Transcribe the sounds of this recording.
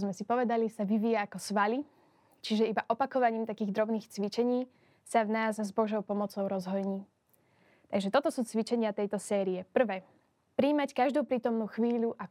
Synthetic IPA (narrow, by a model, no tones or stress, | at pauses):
zmɛsipɔʋɛd̪alisaʋiʋiaːkɔsʋali | t͡ʃiʒɛibaʔɔpakɔʋaɲiːmt̪akiːɣd̪ɾɔbniːxt͡sʋit͡ʃɛɲiː | savnaːzzbɔʒɔʊpɔmɔt͡sɔʊɾɔzɦɔjɲiː | t̪aɡʒɛt̪ɔt̪ɔsuːt͡sʋit͡ʃɛɲɪat̪ɛjt̪ɔsɛːɾiɛpr̩ʋɛː | pɾiːmackaʒd̪uːpɾiːt̪ɔmnuːxʋiːʎuʔa